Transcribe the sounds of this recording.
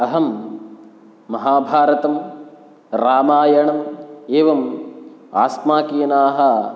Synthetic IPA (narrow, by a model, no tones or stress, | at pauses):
ɐɦɐm | ɐɦaːbʱaːɾɐt̪ɐm | ɾaːmaːjɐɳɐmeːʋɐm | aːsmaːkiːjɐnaːɦɐ